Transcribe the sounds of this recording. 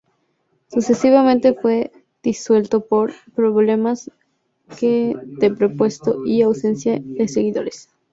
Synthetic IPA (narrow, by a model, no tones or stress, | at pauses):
suse̞siβamẽnt̪e̞fwe̞ | ð̥iswe̞lt̪o̞poɾpɾo̞βle̞mas | keðepɾopwe̞st̪oʔiawse̞nsjaðe̞se̞ɣiðo̞̰ɾes